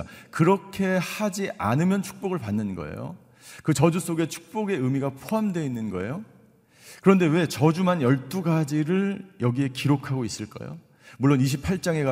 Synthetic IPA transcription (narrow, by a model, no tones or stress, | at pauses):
kɯɾʌkʰe̞had͡ʑiʔanɯmjʌnt͡ɕʰu̥k̚p͈oɡɯɭpanːɯnɡʌ̰ḛjo̰ | kɯt͡ɕʌd͡ʑus͈oɡe̞t͡ɕʰu̥k̚p͈oɡe̞ɯmiɡapʰoɦamdwe̞inːɯnɡʌe̞̰jo | kɯɾʌnde̞we̞t͡ɕʌd͡ʑumanjʌɭt͈uɡad͡ʑiɾɯɭjʌɡie̞kiɾokʰaɡois͈ɯɭk͈ʌ̰j̰jo̰ | muɭːoniɕ̬ʰipʰaɭt͡ɕ͈aŋe̞ɡa